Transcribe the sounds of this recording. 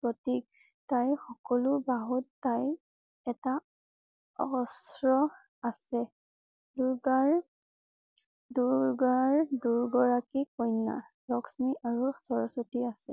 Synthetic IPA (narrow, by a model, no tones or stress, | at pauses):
pɹɔtik̚ | tajxɔkɔlʊbaɦutːaj | ɛta | ɔ̰ɔsɹɔ | asɛ | duɹɡaɹ | duɹɡaɹduɹɡɔɹakikɔjnːa̰ | lɔksmiʔaɹusɔɹɔsotiasɛ